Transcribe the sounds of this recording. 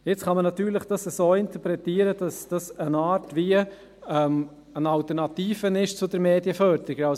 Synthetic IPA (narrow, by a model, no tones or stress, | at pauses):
jɪt͡sχɑmənɑt̪yːɾlɪχd̥ɑsəsoːɪnt̪əɾpɾɛtiːəɾədɑsd̥ɑsənaːɾtʋiə | ɛm | ənɑltəɾnɑtiːfənɪʃt͡sʊdəɾmeːdjəfœɾd̪ɾiɡəɑ